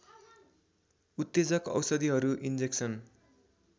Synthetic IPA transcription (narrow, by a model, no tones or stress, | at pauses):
ut̪ːed͡zʌkʌ̰wsʌd̪iɦʌɾuʔind͡zeksʌn